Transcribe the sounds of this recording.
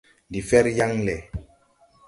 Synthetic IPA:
ndi˨fɛ˦ɾja˦ŋlɛ˨

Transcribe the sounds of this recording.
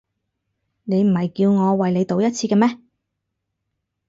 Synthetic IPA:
ne˨˧jm̩˨˩hɐ˨jkiː˧wŋɔː˨˧wɐ˨jle˨˧jt̪o˨˧wjɐ˥t̚t͡sʰiː˧kɛ˧mɛː˥

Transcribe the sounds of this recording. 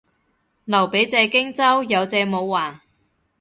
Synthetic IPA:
lɐ˨˩wpe˨˥jt͡sɛː˧kɪ˥ŋt͡sɐ˥wjɐ˨˧wt͡sɛː˧mo˨˧wːaː˨˩n

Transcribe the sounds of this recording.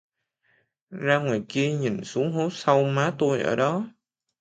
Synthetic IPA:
zaː˧ŋwaː˨˩jki˧əɲi˨˩nsu˨˦əŋɦo˨˦˥t̚sa˧wmaː˨˦t̪o˧jʔəː˧˩ɗɔ˨˦

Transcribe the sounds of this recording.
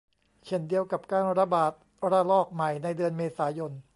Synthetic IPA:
t͡ɕʰe˧˩ndi˧əwka˨˩p̚kaː˧nɾa˧baː˨˩t̪̚ | ɾa˧lɔː˥˩k̚ma˨˩jna˧jdɯ˧ənmeː˧saː˩˦jo˧n

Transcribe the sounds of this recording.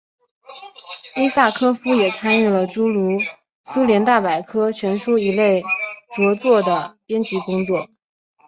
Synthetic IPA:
i˥sa˥˩kʰɤ˥fu˥jɛ˨˩t͡sʰa˥ny˥˩lə˩ʈ͡ʂu˥lu˧˥ | su˥ljɛ˧˥nt̪a˥˩pa˨˩ɪkʰɤ˥t͡ɕʰɥɛ˧˥nʂu˥i˧˥le˥˩ɪt͡sɤ˧˥t͡swɔ˥˩d̪ə˩pjɛ˥nt͡ɕi˧˥kʊ˥ŋt͡swɔ˥˩

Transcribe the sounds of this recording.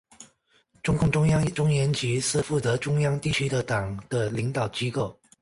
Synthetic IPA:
ʈ͡ʂʊ˥ŋkʊ˥˩ŋʈ͡ʂʊ˥ŋjɑ˥ŋʈ͡ʂʊ˥ŋjɛ˧˥nt͡ɕi˧˥ʂɻ̩˥˧fu˥˩t͡sɤ˧˥ʈ͡ʂʊ˥ŋjɑ˥ŋt̪i˥˩t͡ɕʰy˥d̪ə˨t̪ɑ˨˩ŋd̪̥ə˦li˧˥ŋt̪ɑ˨˩ʊt͡ɕi˥ko˥˩ʊ

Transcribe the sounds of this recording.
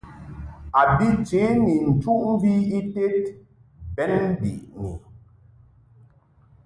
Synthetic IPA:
a˨bi˦t͡ʃe˨˦ni˨n̩˨tu˦ʔm̩˦vi˦i˦te˦t | bɛ˨˦n˦bḭ˨ʔni˨

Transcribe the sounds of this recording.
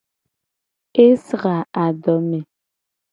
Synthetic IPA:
e˦sə˨ɣa˨a˨dɔ˨˦me˨

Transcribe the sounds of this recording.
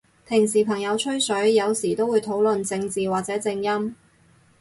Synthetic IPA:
pʰɪ˨˩ŋsiː˨˩pʰɐ˨˩ŋjɐ˨˧wt͡ʃʰɵ˥ɥsɵ˨˥ɥjɐ˨˧wsiː˨˩t̪o˥wu˨˧jt̪ʰo˨˥wlɵ˨nt͡sɪ˧ŋt͡siː˨waː˨k̚t͡sɛː˨˥t͡sɪ˧ŋjɐ˥m

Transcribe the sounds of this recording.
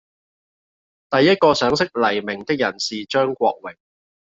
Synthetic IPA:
t̪ɐ˨jːɐ˥t̚kɔː˧sœː˨˥ŋsɪ˥k̚lɐ˨˩jmɪ˨˩ŋt̪ɪ˥k̚jɐ˨˩nsiː˨t͡ʃœː˥ŋkʷɔ̰ː˧k̚wɪ˨˩ŋ̚

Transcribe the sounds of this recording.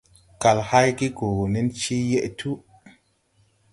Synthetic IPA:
ka˨lha˦jki˦ɡo˨ni˦nt͡ʃi˦je˦ʔtʰu˦

